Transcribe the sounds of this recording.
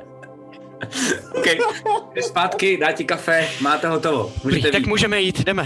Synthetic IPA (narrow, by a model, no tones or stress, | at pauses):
owkɛjɛspaːt̪kɪdaːcɪkafɛmaːt̪ɛɦot̪ovo̰muːʒɛɾit̪ɛvt̪akmuːʒɛmɛjiːt̪dɛmɛ